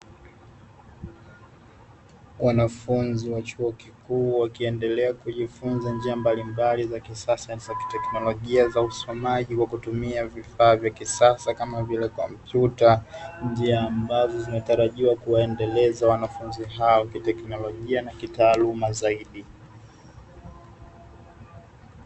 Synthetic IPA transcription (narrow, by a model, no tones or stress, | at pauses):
wanafunziwat͡ʃuɔkikuːwakiɛndɛlɛakuʄifunzand͡ʒiambalimbalizakisasanzaki̥tɛknɔlɔʄiazausɔmaʄikwakutumiavifaːvjakisasakamavilɛkɔmpjutaɲd͡ʒiaːmbazɔzinataɾaʄiwakuwaɛndɛlɛzawanafunziɦaɔkitɛknɔlɔʄianakitaːlumazaiɗi